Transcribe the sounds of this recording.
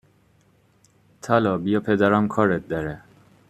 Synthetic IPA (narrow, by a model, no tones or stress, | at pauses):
t̪ʰalɔbijɔpʰed̪aɾamkʰɔɾet̪̚d̪aɾɛ